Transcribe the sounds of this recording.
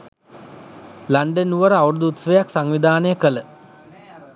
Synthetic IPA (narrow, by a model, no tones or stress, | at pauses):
laɳɖənːuʋəɾəauɾud̪uut̪səʋəjaksaŋʋid̪ʱaːnəjəkələ